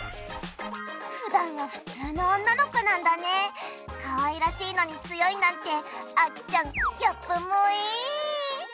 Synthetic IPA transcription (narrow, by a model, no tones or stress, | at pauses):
ɸɯ̟d̪ãŋɡaɸɯ̟̥t͡sɨːnõːnːano̞ko̞nãnd̪ane̞ | kaβaiɾaɕiːno̞ɲ̟it͡sɨjo̞inãnt̪e̞at͡ɕãŋkʲapːɯmːoiː